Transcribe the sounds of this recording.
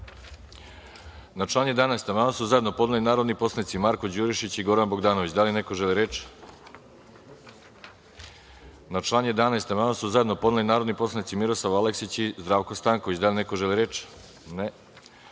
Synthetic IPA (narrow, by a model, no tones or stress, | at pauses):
nat͡ʃlˠaːɲje̞d̪anajst̪amaːnasuzajd̪no̞po̞d̪nalinaːɾo̞d̪nipo̞slanit̪simaɾkod͡ʑuɾiʃit͡ɕiɡo̞ɾanbo̞ɡd̪aːnoʋit͡ɕd̪alineko̞ʒeliɾet͡ʃ | nat͡ʃlˠaːɲje̞d̪anajst̪amaːnasuzajed̪no̞po̞d̪nalinaːɾo̞d̪nipo̞slˠanit̪simiɾoslˠaʋaleksit͡ɕizd̪ɾaʋkost̪aːŋko̞ʋit͡ɕd̪alinekoʒeliɾet͡ʃ | ne